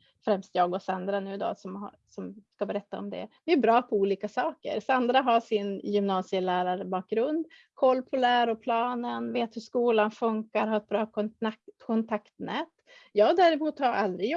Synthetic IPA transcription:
fɾɛmst̪jɑːɡɔsand̪ɾanʉ̟ːɪd̪ɑ̰ːsɔm | sɔmskabɛɾɛt̪ːaɔ̰md̪ɛ̰vɪæbɾɑːpʰɔuːliːkasɑːkə̰ɾsand̪ɾaɦaʂɪnjʏmnɑːsɪəlæːɾaɾəbɑːk̚ɡɾɵnd̪ | kʰɔlːpʰɔlæːɾɔpʰlɑːnənveːt̪hɵʂkuːlanfɵŋkaɾɦaɾɛt̪̚bɾɑːtɔkʰɔnt̪ʰakt̪nɛːt̪ | jɑːɡd̪æɾɪmuːt̪haald̪ɾɪj

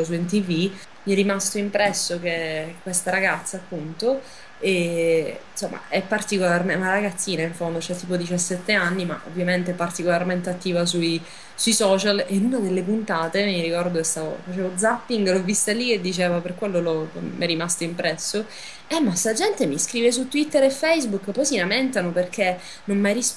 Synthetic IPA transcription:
os̬uɛnt̪̬ivi | miɛrːimast̪oimpɾɛsːok̟ekwest̪aɾaɡat̪sːaːpːunt̪o | e | nsomːa̰ɛpːart̪ikolarmemaɾaɡat̪sːiːnaiɱfond̪ot͡ʃɛt̪ːiːpod̪it͡ʃasːɛt̪ːeanːima̰ʔo̰vːjament̪eɛpːart̪ikolarment̪eat̪ːiːvas̬ui | suisɔːt͡ʃalenunad̪elːepunt̪aːt̪emiɾikɔrd̪oest̪aːvo̰fat͡ʃeːvod̪zapːiŋɡlovːist̪alːied̪ːit͡ʃeːvaperkwelːolɔpɔmɛrimast̪oimpɾɛsːo | ɛmːaselad͡ʒɛnt̪emiskɾiːves̬ut̪ːwit̪ːeɾefːejzbukːpːɔjsilament̪anoperk̟e | nonmajɾis

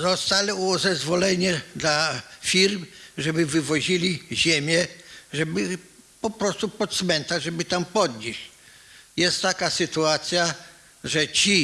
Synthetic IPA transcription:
zɔst̪alɛɔzɛzvɔlɛɲɛd̪lafʲiɾmʐɛbɘvɘvɔʑilʲiʑemʲjɛʐɛbɘ | pɔpɾɔst̪upɔt̪smɛnt̪aʐɛbɘt̪ampɔd̪ɲiɕ | jɛst̪ːakasɘt̪uat̪sʲja | ʐɛt͡ɕi

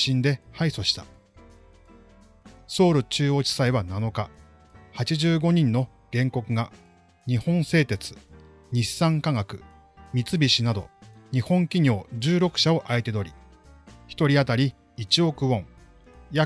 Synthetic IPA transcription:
ɕĩnd̪e̞haiso̞ɕi̥t̪ḁ̰ | so̞ːɾɯ̟t͡ɕɨːo̞ːt͡ɕi̥saiβ̞anano̞ka | hat͡ɕiʑɨːɡo̞ɲ̟ĩnːo̞ | ɡ̥ẽ̞ŋko̞kɯ̟ɡa | ɲ̟ihõ̞ɰ̃se̞ːt̪e̞t͡sɨ̥ | ɲ̟isːãŋkaŋakɯ̟ | mʲit͡sɨbʲiɕinad̪o̞̰ɲ̟ihõ̞ŋkʲiɲo̞ːd͡ʑɨːɾo̞kɯ̟̥ɕao̞ʔaet̪e̞d̪o̞ɾʲi | çi̥t̪o̞ɾʲiat̪aɾʲi | it͡ɕio̞kɯ̟õ̞ŋ | ja

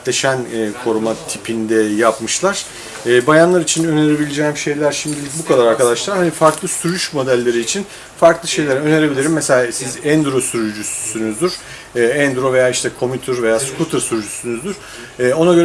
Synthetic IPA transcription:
t̪lʲe̞ʃænɛːkʰo̞ɾumat̪ʰipʰind̪ɛjapmɯʃlˠaɾ̥ | ɛːbajanlˠaɾit͡ʃʰinø̞neɾebilʲed͡ʒɛːmʃe̞jlʲæɾʃimd̪ilʲic̚bukʰad̪aɾaɾkad̪aʃlˠaɾhanifaɾklˠɯsyɾyʃmo̞d̪ælʲːe̞ɾiːt͡ʃʰin | faɾklˠɯʃe̞jlʲeɾø̞ne̞ɾe̞bilʲiɾimːeselʲaːsizænd̪ɾo̞syɾyd͡ʒysynyzd̪yɾ̥ | ɛːænd̪ɾo̞ve̞jaːiʃt̪ʰɛkʰo̞mit̪ʰyɾve̞jaːskut̪ʰɯɾsyɾyd͡ʒysynyzd̪yɾ̥ | ɛːo̞naɡøɾ

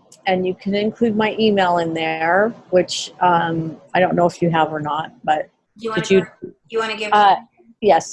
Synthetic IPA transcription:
ɨ̃njɨkʰɨ̃nɨ̃nkʰl̥ʉd̚maɪʔimeɪlˠɪ̃nðə˞wɪt͡ʃʔʌ̃maɪɾõʊ̃nːoʊɨfjɨəvə˞nət̚b̥ʌt̚ | d̥ɨd͡ʒɨ | ɨwɑnɨɪʌ | jɛs

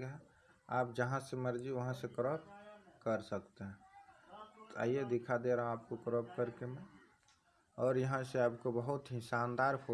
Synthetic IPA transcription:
ɡɦɛ̃ | a̰ːp̚d͡ʒəɦãseməɾd͡ʒiʋəɦãsekɾoːpkəɾsəkt̪eɦɛ̃ | t̪a̰ied̪ɪkʰad̪eɾaɦaːp̚kokɾop̚kəɾkemẽ | ɔːɾjɐɦãseaːpkobəɦʊt̪ɦɪsaːnd̪aːɾpʰo

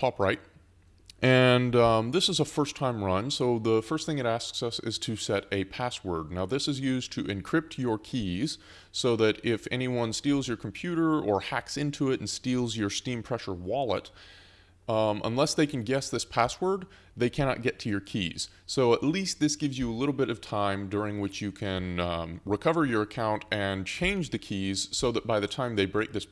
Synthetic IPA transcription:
tʰɑpɹaɪt̚ | ʔɨ̃nðɪsɨzəfɜ˞stʰãɪ̃mɹʌ̃nsoʊðəfɜ˞st̪̚θɪ̃ŋɨɾæsksʌsɪ̰z̥tʰɨsɛɾɨpʰæswə̰˞dⁿnaʊðɪsɨzjʉztʰɨʔɨ̃nkʰɹ̥ɪp̚tə˞kʰiz̥ | soʊðɨɾɪfɛ̰ñiwʌ̃nstilˠzjə˞kʰm̩pʰj̥ʉɾə˞ə˞hæksɪ̃ntʰʉɪɾn̩stilˠzjə˞stĩmpʰɹ̥ɛʃə˞wɑlˠə̰t | ʔə̰̃nlɛsðeɪkʰɨ̃n̩ɡɛsðɪspʰæswə˞d̪̚ | ðeɪkʰæɾnɑ̰t̚ɡ̥ɛtʰɨjə˞kʰḭz̥ | soʊəʔˡlist̪̚ðɪsɡ̥ɪvzjɨəlɪɾl̩ˠbɪɾʌv̥tʰãɪ̃mdʊɹɪ̃ŋwɨt͡ʃjɨkʰɨ̃nɹɨkʰʌvə˞jə˞ɨkʰãʊ̃ntɨ̃nt͡ʃʰẽɪ̃nd͡ʒðɨkʰiz̥soʊðɨt̚b̥aɪðɨtʰãɪ̃mðeɪbɹeɪk̚ðɪs

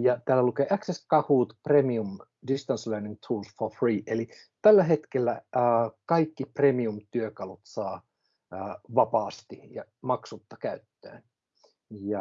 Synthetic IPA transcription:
jɑt̪æːlːælukeːʔækseskɑhuːt̪premium | dist̪ɑnslæːniŋt̪ʰuːlsfofriːʔeli | t̪ælːæɦe̞t̪kelːæːkɑikːipremiumt̪yøkɑlut̪sɑː | ʋɑpɑːst̪ijɑ | mɑksut̪ːɑkæyt̪ːø̰ːn | jɑ

